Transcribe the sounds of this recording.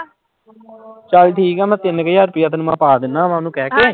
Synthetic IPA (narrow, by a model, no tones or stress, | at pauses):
t͡ʃəlʈʰiːkɛːmɛ̃ːt̪ɪnkəjːaɾpiat̪nmãːpaːd̪ɪnːãːmãːnũːkɛːkeː